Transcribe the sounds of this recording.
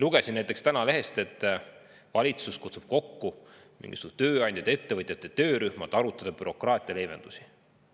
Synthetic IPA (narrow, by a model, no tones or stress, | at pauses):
luɡ̥e̞sinnæjt̪ːˑekst̪ænɑle̞ɦe̞st̪e̞t̪ːˑ | vɑlʲit̪suskut̪su̥b̥ko̞kːu | mḭŋɡ̥i̥sut̪ø̞ːɑnʲd̪̥ʲjɑd̪ee̞t̪ːe̞vɤt̪ʲjɑt̪ːˑet̪øːɾyhmɑd̪ɑɾut̪ːˑɑd̪̥ɑb̥yɾo̞krɑːt̪ʲˑijɑle̞ːve̞nd̪̥usi̥